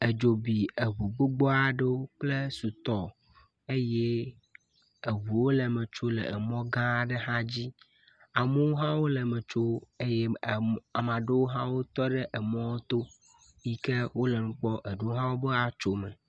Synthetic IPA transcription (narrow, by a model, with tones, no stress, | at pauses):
e˨d͡ʒo˨bi˨e˨βu˨ɡ͡bo˦ɡ͡bɔ˦a˨ɖə˦wo˦k͡ple˦su˨t̪ɔ˦ | e˦je˦ | e˨βu˨wo˦lɛ˨mẽ˨t͡ʃo˦lɛ̰˨ɛ˨mɔ̃˦ɡã˦˨ɖe˦ɦã˦d͡ʑi˦ | a˨me˦wo˦ɦã˦wo˦lə˨mẽ˨t͡ʃo˦e˦jɛ˦˨a˨mã˨ɖe˦wo˦ɦã˦wo˦t̪ɔ˦ɖe˦ʔɛ˨mɔ̃˦wo˦t̪o˦ | ji˦ke˦wo˦lə˨nũ˦k͡pɔ˦ʔe˨ɖe˦wo˦ɦã˦wo˦be˦a˨t͡ʃo˦mɛ̃˨